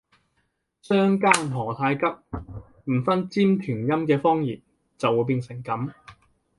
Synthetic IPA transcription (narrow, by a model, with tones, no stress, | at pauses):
sœː˥ŋkaː˥ŋmɔː˨˩t̪ʰaː˧jkɐ˥p̚ | m̩˨˩fɐ˥nt͡siː˥mt̪ʰyː˨˩njɐ˥mkɛː˧fɔː˥ŋjḭː˨˩p̚ | t͡sɐ˨wːuː˨˧jp̬iː˧nsɪ˨˩ŋkɐ˨˥m